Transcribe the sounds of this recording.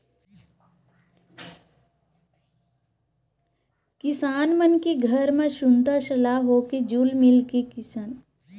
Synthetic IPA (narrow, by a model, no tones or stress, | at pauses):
kɪsaːnmənkeɡʱəɾmẽʃʊnt̪aʃəlaːɦoːked͡ʒuːlmɪlkekɪsan